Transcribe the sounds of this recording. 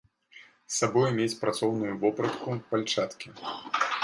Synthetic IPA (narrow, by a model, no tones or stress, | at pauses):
sːabɔjmʲet͡sʲpɾat̪sɔwnʊjuvɔpɾɐt̪kupalʲt͡ʂat̪kʲi